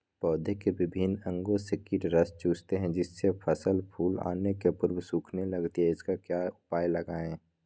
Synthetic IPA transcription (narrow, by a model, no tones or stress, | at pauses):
pɔːd̪ʱekebɪbʱɪnə̃ŋɡosɪkɪʈɾəst͡ʃuːd͡ʒt̪eɦɛ̃d͡ʒɪsːepʰəsəlpʰuːla̰ːnekepʊɾbsuːkʰnelɐɡt̪iɦɛɪskakjaːʊpaːjləɡaːẽ